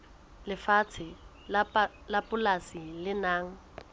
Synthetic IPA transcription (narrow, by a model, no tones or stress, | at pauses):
lɪfat͡sʰɪ | lapʼʊlasilɪnaːŋ̩